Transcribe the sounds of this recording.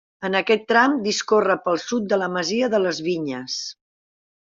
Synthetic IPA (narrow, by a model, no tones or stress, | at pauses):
ənəkɛt̪ːɾamd̪iskorəpəlˠsut̪̚d̪ələməziəðələzβiɲəs